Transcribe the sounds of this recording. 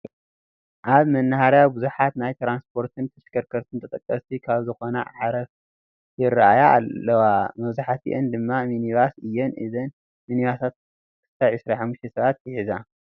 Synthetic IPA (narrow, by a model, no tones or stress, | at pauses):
ʔaβmɐnːahaɾjawbuzuħat̪najt̪ʰɾanspʰo̞ɾt̪ʰɨnt̪ʰɐʃkʰɐɾkʰɐɾt̪ʰɨnt̪ʰɐt̪ʼɐkʼːɐst̪ʰikʰaβzɨxo̞nɐ̰ʕaɾɐf | jɪɾːaajaa̰lːɐwamɐβzuħat̪ʰḭʔɨnd̪ɨmːaminiβasɨjːɛnʔɨ̰zɐn | miniβasat̪̚ | kʰɨ̥t̪ʰajʕɨsɾaħamːuʃt̪ʰesɐβat̪̚jɨħiza